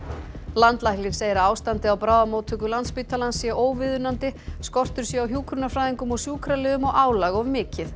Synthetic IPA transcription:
lant̪lahklɪn̥seːjɾaaːwst̪ant̪ɪawpɾaːwðamoːwt̪ʰʏkʏlant̪spit̪ʰalansːjɛʔoːwvɪðʏnant̪ɪskɔr̥t̪ʏɾ̥sjɛawɦjuːkʰɾʏnafɾaːjðiŋkʏmɔɣsjuːkʰɾalɛðʏmɔɣaːwlaɣɔvmɪːcɪθ

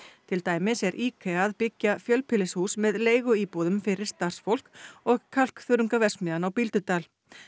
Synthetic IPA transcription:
t̪ʰɪlt̪aːjmɪsɛɾʔiːkʰeaðpɪcːafjœlpʰɪlɪshuːsmɛðleːjɣʏiːpuðʏmfɪɾɪɾ̥st̪ar̥sfowl̥kɔɣkʰal̥kθʏɾʏŋkavɛr̥smɪðanawpilt̪ʏt̪aːl

